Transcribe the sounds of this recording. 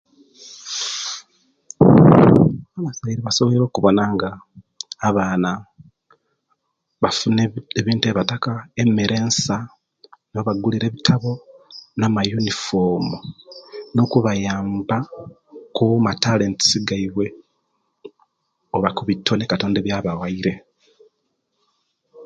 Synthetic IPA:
aβasaiɾiβaso̞βoeɾwokuβo̞naŋɡaː | βaːna | βafuneeβiːntueβatakaemeɾʔe̞ːnsa | noβaɡuliɾe̞ːβitʰaβo̞namajunifo̞ːmu | no̞kuβajaːmba | kumatale̞ːnti̥siɡaiβwe̞ | oβakuβitʰːo̞nekato̞ːnde̞βjaβawaiɾe̞

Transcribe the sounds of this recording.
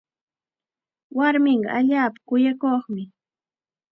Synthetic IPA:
waɾmɪɴɢɑ̰ʔaʎaːpḁkʊjakoχmɪ

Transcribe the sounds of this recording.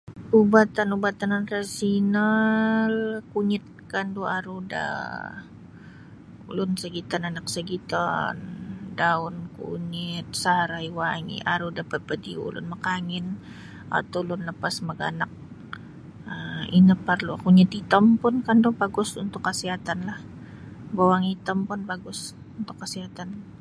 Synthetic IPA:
ubat̪anubat̪annrasinalkuɲɪt̪̚kanduaɾuda̰ | ulʊnsəɡit̪ananak̚səɡit̪a̰ndaʊnkṵɲɪt̪̚saɾajwaŋḭʔaɾudapəpədiṵlʊ̰nməkaŋɪn | a̰t̪ulʊnləpasməɡa̰nak̚ | əinəpərluakuɲit̪it̪əmpʊnkandʊbaɡʊsunt̪ʊkːəsiɦat̪anlah | bawaŋit̪əmpʊnbaɡʊs | unt̪ʊkːəsiɦat̪an

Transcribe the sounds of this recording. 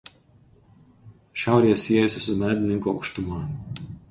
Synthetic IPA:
ʃʲæˑʊɾʲiːɛsʲːiɛjɛsʲɪsʊmʲæːd̪ʲɪnʲɪŋkuɒʊkʃt̪ʊmɐ

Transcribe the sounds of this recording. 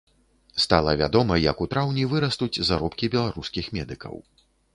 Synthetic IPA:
st̪alˠɐvʲad̪ɔmɐjɐkut̪ɾawnʲivɨɾɐst̪ud͡zʲzaɾɔpkʲibʲɛlˠaɾuskʲixmʲɛd̪ɨkɐ̰w

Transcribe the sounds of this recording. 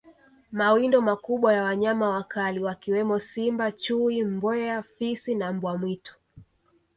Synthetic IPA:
mawindɔmakuɓwajawaɲamawakaliwakiwɛmɔsimbat͡ʃuimbɛafisinambwamwitɔ̥

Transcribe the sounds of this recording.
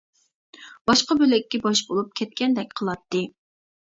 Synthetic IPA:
b̥ɑʃqɑbølɛkʲːɛbɑʃbolˠup̚kʲʰɛt̪̚kʲɛnd̪ɛk̚ʲqʰəlˠɑt̪ːɨ

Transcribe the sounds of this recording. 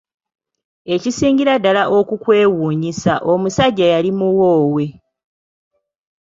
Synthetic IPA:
e̞cisiːɲɡiɾadːalaʔo̞kukwe̞ːwuːɲisaʔo̞musaɟːajalimuwo̞ːwe̞

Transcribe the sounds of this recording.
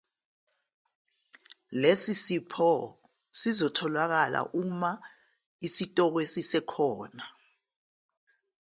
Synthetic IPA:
lesisipʰɔ | sizɔtʰɔlwak̬ala̰ʔuma | isitʼɔk̬wesisɛkʰɔːna

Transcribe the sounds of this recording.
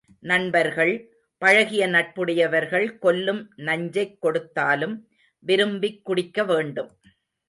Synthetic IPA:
nɐnbɐɾɣɐɭ | pɐɻɐɣɪjɐnɐʈ̚pɯɽɐjɐʋɐɾɣɐɭkɔlːɯmnɐɲd͡ʒɐɪkːɔɽɯt̪ːaːlɯm | ʋɪɾɯmbɪkːʊɽɪkːɐʋeːɳɖɯm

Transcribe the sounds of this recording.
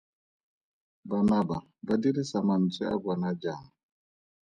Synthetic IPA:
banaba | badilisaman̩t͡sɛa̰ɡanad͡ʒaŋ

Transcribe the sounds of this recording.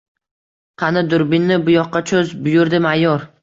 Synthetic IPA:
qʰɑnɪd̪ʊɾbɪnːɪbʊjɒqːɑt͡ʃʰɵzbʊjʊɾd̪ɪmajɒɾ

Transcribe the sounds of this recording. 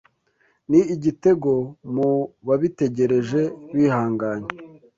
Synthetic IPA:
niiɟite̞ɡo̞muβaβite̞ɟe̞ɾe̞ʒe̞βiːhaːŋɡaːɲe

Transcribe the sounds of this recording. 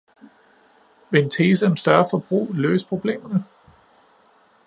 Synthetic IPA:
ʋeent͡sʰeːs̬əɒ̽msd̥ɶɐfɒ̽b̥ʁṵːlø̰ːsə̥pʰʁo̝b̥le̝̰ːmɐnə

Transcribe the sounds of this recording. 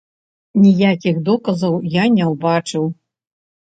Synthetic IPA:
nʲijakʲixd̪ɔkɐzɐwjanʲɛwbat͡ʂɨw

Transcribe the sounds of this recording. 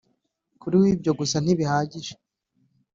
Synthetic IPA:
kuɾiwibɟo̞ɡusan̥iβihaːɟiʒe

